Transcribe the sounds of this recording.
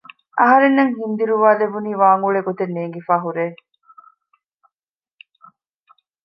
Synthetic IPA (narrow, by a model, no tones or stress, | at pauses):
ʔɐɦɐɾenːɐŋɦind̪iɾuʋaːlebuniːʋaːŋɡuɭeɡot̪enːeːŋɡifaːɦuɾeː